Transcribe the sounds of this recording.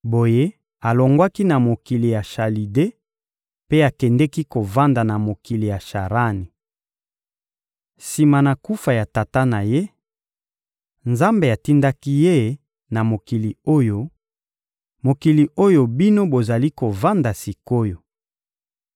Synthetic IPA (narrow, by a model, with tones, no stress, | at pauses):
bo˨je˦ | a˨lo˨ŋɡwa˦ki˦na˨mo˨ki˨li˨ja˨ʃa˨li˨de˦ | pe˦a˨kɛ˨ndɛ˦ki˦ko˨va˦nda˨na˨mo˨ki˨li˨ja˨ʃa˨ʁa˦ni˨ | si˨ma˨na˨ku˦fa˨ja˨ta˨ta˦na˨je˦ | nza˦mbe˨a˨ti˦nda˦ki˦je˦ | na˨mo˨ki˨li˨o˦jo˦ | mo˨ki˨li˨ʔo˦jo˨bi˦no˦bo˨za˨li˦ko˨va˦nda˨si˨ko˦jo˨